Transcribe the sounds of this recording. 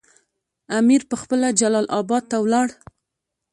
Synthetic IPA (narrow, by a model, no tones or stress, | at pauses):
amiɾpəxpəlad͡ʒalɑlʔɑbɑd̪̚t̪awlɑɽ